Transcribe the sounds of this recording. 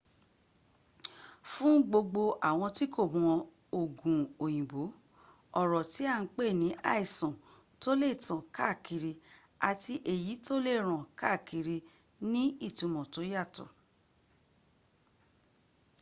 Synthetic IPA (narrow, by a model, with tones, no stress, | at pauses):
fũ˦ɡ͡bo˧ɡ͡bo˧ʔa˨w̃ɔ̃˧ti˦kʰo˦˨mɔ̃˨˧ | o˨ɡũ˨o˨j̃ĩ˨bo˨˦ | ɔ˦˨ɾɔ˨ti˨˦a˦˧˦k͡pe˦˨nĩ˨˦ʔa˦˨i˨sɔ̃˨ | to˦le˦˨tã˨ka˦˨kʰi˧ɾi˧ | a̰˨ti˧ʔe˨ji˨˦to˦le˦˨ɾ̃ã˨ka˦˨ki˨˧ɾi˧ | nĩ˦i˦˨tũ˧mɔ̃˨to˨˦ja˦˨tɔ̰˨